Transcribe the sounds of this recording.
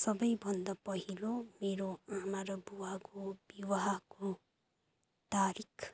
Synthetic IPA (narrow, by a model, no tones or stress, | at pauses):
sʌbʌjbʱʌnd̪apʌɦilomeɾoamaɾʌbuwakobiwaɦako | t̪aɾikʰ